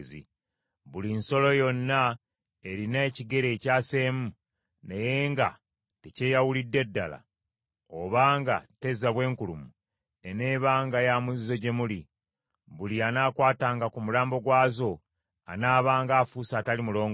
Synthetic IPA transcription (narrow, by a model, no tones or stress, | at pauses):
zḭ | βulinso̞lo̞jo̞nːa | e̞ɾineːciɡe̞ɾeːcaːse̞ːmu | neje̞ːŋɡa | tece̞jawulidːe̞dːala̰ | o̰βaːŋɡa̰te̞zaβwe̞ːŋkulumu | ene̞ːβaːŋɡajamuzzo̞ɟe̞muli | βulianaːkwaːtaːŋɡakumulaːmbo̞ɡwaːzo̞ | a̰naːβaːŋɡaːfusaːtalimulo̞ːŋɡ